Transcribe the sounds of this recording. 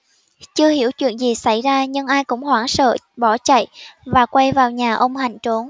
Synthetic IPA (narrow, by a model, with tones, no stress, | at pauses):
t͡ɕɨ˧əɦi˧˩əwt͡ɕwḭ˧˨ənzi˨˩sa˧˥˩jzaː˧ɲɨ˧ŋʔaː˧jkʊ̰˧˥ŋ͡mhwaː˧˩ŋsə̰ː˧˨ɓɔ˧˩t͡ɕa̰˧˨jvaː˨˩kwa˧jvaː˨˩wɲaː˨˩ʔə˧wŋ͡mɦa˨˩jŋ̟t͡ɕo˨˦n